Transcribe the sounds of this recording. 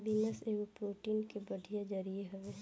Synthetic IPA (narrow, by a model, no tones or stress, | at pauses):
bɪnəseːʋopɾoːʈiːnkebɐɖʱijad͡ʒɐɾijeɦɐʋe